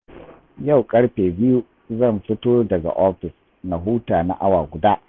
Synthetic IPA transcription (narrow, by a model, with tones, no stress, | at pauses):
ja˦˨wkʼɐ˦ɽɸeː˨bɪ˦ju˦ | zɐ˦˨nɸɪ˦toː˦rdɐ˨ɡa̰˨ʔɔ˦ɸɪ˨s | na˨ɦuː˦taː˨na̰˦ʔa˦waː˨ɡʷʊ˨daː˦